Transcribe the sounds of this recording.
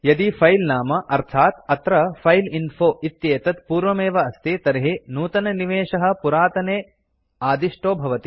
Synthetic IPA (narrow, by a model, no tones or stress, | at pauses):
jɐd̪ifʰɐjlnaːmɐʔɐɾt̪ʰaːt̪ɐt̪ɾɐfɐjlinfoːʔit̪jeːt̪ɐt̪puːɾʋɐmeːʋɐɐst̪it̪ɐɾɦinuːt̪ɐnɐniʋeːʂɐɦɐ̆puɾaːt̪ɐneː | aːd̪iʂʈoːbʱɐʋɐt̪i̥